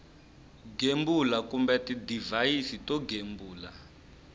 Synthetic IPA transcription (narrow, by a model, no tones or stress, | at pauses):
ɡembulakumbɛtidivaisitɔɡʱembuːla̰